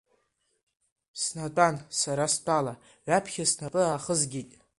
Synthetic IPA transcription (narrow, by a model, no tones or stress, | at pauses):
snatʷʼansaɾastʰʼala | ɥʷapʰχʲasnapʼɨaχəzɡʲitʼ